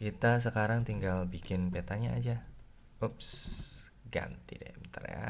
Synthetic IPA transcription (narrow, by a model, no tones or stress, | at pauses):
kit̪as̬əkaɾaŋt̪iŋɡalbikɪnpet̪aɲaa̰d͡ʒa | ops | ɡa̰nt̪ḭdḛmt̪ə̰ɾja̰